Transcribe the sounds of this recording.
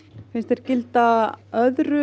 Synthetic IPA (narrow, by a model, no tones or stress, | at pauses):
fɪnst̪ɛɾ̥cɪlt̪aœðɾʏ